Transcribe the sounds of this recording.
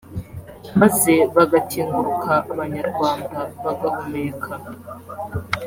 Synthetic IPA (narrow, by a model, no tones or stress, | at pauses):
maze̞βaɡatʰiːŋɡuɾukʰaʔːβaɲaɾɡwaːndaβaɡakomekʰaa